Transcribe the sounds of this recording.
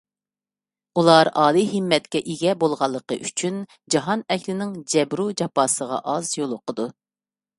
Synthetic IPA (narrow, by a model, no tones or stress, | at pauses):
ulˠɑɾɑːlˠɨɦɪmːɛt̪̚kʲɛʔiɡʲɛbolˠʁɑlˠːəqə̰ʔyt͡ʃʰyn | d͡ʒɑɦɑnɛkʲlɪnɪŋd͡ʒɛbɾud͡ʒɑpɑːsəʁɑ̰ʔɑzjolˠʊqʰəd̪u